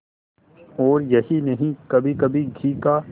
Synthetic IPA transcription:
ɔːɾjɐɦinɐɦĩkɐbʱikɐbʱiɡʱiːkaː

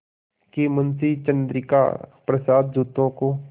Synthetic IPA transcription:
kemɐnsiːt͡ʃə̃nd̪ɾɪka̰ːpɾəsaːd̪̚d͡ʒuːt̪õko

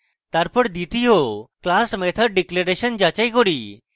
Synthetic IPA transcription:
t̪aɾpəɽd̪it̪iɦoklaːsmet̪ʰəɾɖɪkleɾeʃənd͡ʒaːt͡ɕaikoɽiː

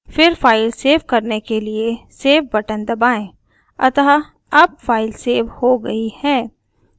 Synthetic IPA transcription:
fɪɾfaːɪlseːʋkɐɾnekelieseːʋbɐʈə̃nd̪ɐbaːẽ | ɐ̰t̪aɦa | ɐb̚faːɪlseːʋhoɡɐihɛː

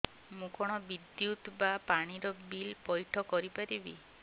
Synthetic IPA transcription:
mũkɔɽ̃ɔbid̪jut̪bapaɽ̃iɾɔbilpɔjʈʰɔkɔɾipaɾibi

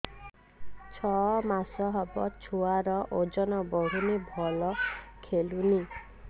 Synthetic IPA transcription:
t͡ʃʰɔmasɔɦɔbɔt͡ʃʰuaɾɔʔod͡ʒɔnɔbɔɾunibʱɔlɔkʰeluni

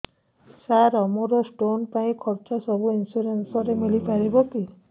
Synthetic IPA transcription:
saɾɔmɔɾɔsʈonpaĩkʰɔɾt͡ʃɔsɔbuinsuɾensɔɾemilipaɾibɔki

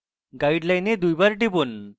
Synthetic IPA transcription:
ɡaiɽlajned̪ujbaɾʈipuːn

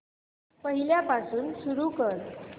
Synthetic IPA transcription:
pəɦiljapasuːnsuɾukəɾ

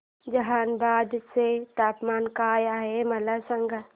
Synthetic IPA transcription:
d͡ʒɐɦaːnbaːd̪set̪aːpmaːnkaːjaɦemɐlasə̃ŋɡə

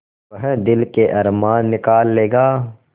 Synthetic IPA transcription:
ɐɦɛ̃d̪ɪlkeʔɐɾmaːnːɪkaːlːeːɡaː

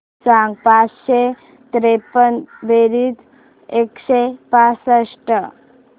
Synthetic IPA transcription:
saŋɡpat͡sɕe | t̪ɾepənʋeɾiːt̪ | ekɕepasəʂʈə

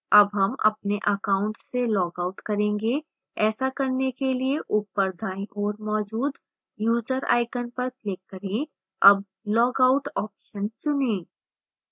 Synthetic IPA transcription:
ɐbɦɐmɐ̰p̚neʔɐkaːʊ̃ɳʈselɔːɡaːʊʈkɐɾẽːŋɡe | ɛːsakɐɾnekelieʔʊpːəɾd̪ʱaːẽʔɔːɾmɔːd͡ʒuːd̪ | juːd͡ʒəɾa̰ːɪkənpɐɾklɪkːɐɾẽ | ɐb̚ | lɔːɡaʊʈɔːpʃənsʊnẽː

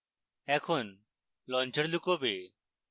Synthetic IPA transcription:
ɛ̃ːkʰoːn | lɔ̃ːnd͡ʒəɽlʊkoːbeː

